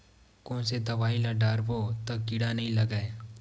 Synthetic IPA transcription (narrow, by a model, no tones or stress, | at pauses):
kõːnsed̪ɐʋaːɦilɐɖaːɾpot̪ɐkɪɽanɐɦĩlɐɡae